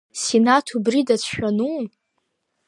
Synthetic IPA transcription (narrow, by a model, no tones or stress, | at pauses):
senatʰubridat͡sʰʃᶣanu